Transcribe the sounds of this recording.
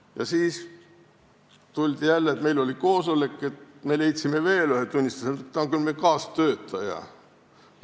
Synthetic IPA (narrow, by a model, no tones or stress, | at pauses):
jɑ̰siːs | t̪ulʲd̪̥ijælːeeːt̪me̞jlo̞lʲiko̞ːsolekːˑe̞t̪me̞le̞jt̪ʲsimeve̞ːlyɦhet̪unʲːist̪u̥sent̪ːɑoŋkylmekɑːst̪øːt̪ˑːɑjɑ̰